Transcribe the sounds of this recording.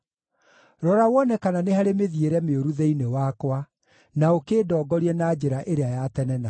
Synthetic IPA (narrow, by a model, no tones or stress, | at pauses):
ɾɔɾawɔnɛkananehaɾemeðieɾɛmeoɾuðɛinewakwa | naokeːdɔːɡɔɾiɛnaːd͡ʑeɾaʔeɾeajatɛnɛna